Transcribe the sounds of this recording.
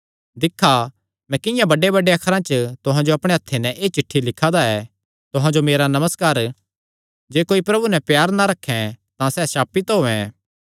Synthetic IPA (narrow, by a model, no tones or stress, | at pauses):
d̪ɪkʰːa | mɛ̃kɪ̃jãbɐɖebɐɖeɐkʰɾãt͡ʃət̪ʊɦãd͡ʒoɐpɽ̃eɐt̪ʰːenɛ̃ʔeːt͡ʃɪʈʰːilɪkʰːad̪aɛ | t̪ʊɦãd͡ʒomeːɾanɐməskaːɾ | d͡ʒeːkoːipɾɐbunɛpjaːɾnaɾɐkʰːɛ̃t̪ãsɛːsaːpit̪ɦoːɛ̃